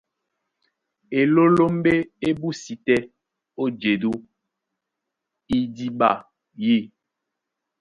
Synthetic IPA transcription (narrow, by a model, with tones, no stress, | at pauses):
e˨lo˦lo˦m˦be˦e˦bu˦si˨tɛ˦ | o˦d͡ʒe˨du˦ | i˦di˦ɓa˦˨ | ji˦˨